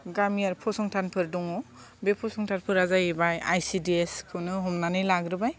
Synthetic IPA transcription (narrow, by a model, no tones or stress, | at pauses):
ɡamijaɾpʰɔsɔŋtʰanpʰɯɾdɔŋɔ | bepʰɔsɔŋtʰanpʰɯɾazajebajajsidieskʰɯwnɯɦɔmnanɯjlaɡɾɯbaj